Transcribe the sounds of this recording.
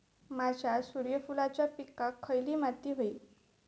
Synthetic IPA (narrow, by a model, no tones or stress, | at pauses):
mad͡ʑʱjasuɾjəfulat͡ɕjapikakʰːəjliːmat̪iːɦoiː